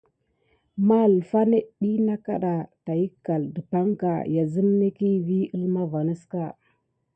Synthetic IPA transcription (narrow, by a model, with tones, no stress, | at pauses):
ma˦˨lfa˦ne˦ɗi˦na˦ka˦ɗa˨ta˨ji˦kːa˨ldə˨pa˦ŋka̰˨ja˨zə˦mne˦ki˦vi˦ə˦lma˦va˨ni˦ska˦˨